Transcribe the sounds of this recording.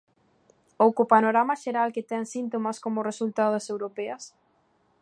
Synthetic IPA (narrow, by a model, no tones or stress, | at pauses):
owkopanoɾamɐʃeɾalket̪ɛŋsint̪omaskomʊresult̪aðosewɾopɛɐs